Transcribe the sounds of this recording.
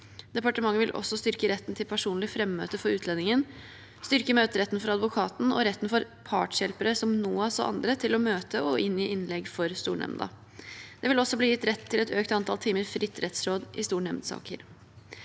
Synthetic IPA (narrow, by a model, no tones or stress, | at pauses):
d̪ɛpɑʈəmɑŋːəʋɪlʔɔ̰sːɔst̪ʏɾkəɾɛt̪ːn̩t̪ʰɪlpʰæʂuːnlɪfɾɛmːø̰ːt̪əfɔɾʉːlɛnɪŋən | st̪ʏɾkəmøːt̪əɾɛt̪ːnfɔɾɑd̪ʋʊkʰɑːt̪n̩ɔ̰ɾɛt̪ːn̩fɔɾ | pʰɑːʈʂjɛlpəɾəsɔmnuːɑsɔ̰ʔɑ̰nd̪ɾət̪ʰɪlɔmøːt̪əɔʔɪnːɪʔɪnlɛɡfɔɾst̪ṵːɳɛ̰mnd̪ɑ̰ | d̪̥ɛʋɪlɔsːɔbliːjɪt̪ːɾɛt̪ʰːɪlɛt̪øːkt̪ɑnt̪ʰɑlt̪ʰiːməɾfɾʔɪt̪ːɾɛt̪sɾoːd̪ʔɪst̪uːɳɛmnsɑ̰ːkə̰ɾ